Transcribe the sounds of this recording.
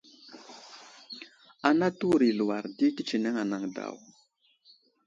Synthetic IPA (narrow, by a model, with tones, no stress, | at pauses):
a˨na˦tu˦ɾi˨lu˨wa˨ɾdi˦ki˦t͡ʃi˨ne˦ŋa˨na˨ŋda̰˨w